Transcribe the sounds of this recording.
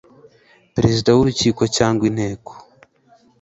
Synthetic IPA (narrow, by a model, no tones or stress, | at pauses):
pɾe̞zidawuɾuciːko̞caːŋɡwin̥heːko̥